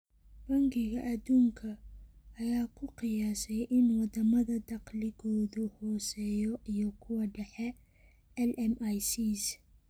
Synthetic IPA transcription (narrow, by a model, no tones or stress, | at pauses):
b̥ɐŋɡɪɣɐʔɐd̪uːŋkʰɐː | jaːkʰʊqɪjaːsɛjʔɪnwɑd̪ɐmɐðɐd̪ɑqlɪɣɔːðʊhɔːsɛːjɔʔijɔkʰʊwɐɖɛħɛ | ɛlɛmajsiːs